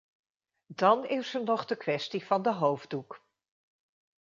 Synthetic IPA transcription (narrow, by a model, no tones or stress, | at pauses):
dɑnɪsəɹnɔχdəkʋɛstiv̥ɑndəɦowvduk